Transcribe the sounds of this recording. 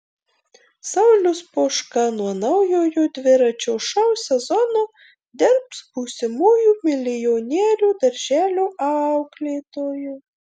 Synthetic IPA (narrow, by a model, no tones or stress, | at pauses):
sɐʊlʲʊspoːʃkɐnuɔnɐʊjoːjod̪ʲʋʲɪɾɐt͡ʃʲoʃɐwsʲɛzɔno | d̪ʲɪɾpsbusʲɪmuːjumʲɪlʲɪjonʲeːlʲuːd̪ɐɾʲʒʲæːlʲuʔɑʊɡlʲeːt̪oːju